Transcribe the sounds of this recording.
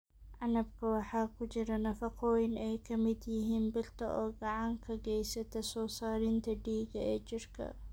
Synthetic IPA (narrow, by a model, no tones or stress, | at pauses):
ʕɑnɐbkʰɐwɑħɑːkʰʊd͡ʒɪɾɐnɐfɐqɔːjɪnɛjkʰɐmɪd̪jɪɦiːnbɪlt̪ɐʔɔːɡɑʕɑŋkʰɐɡɛjsɐt̪ʰɐsɔːsaːɾɪnt̪ʰɐɖiːɡɐɛːd͡ʒɪrkʰɐ̰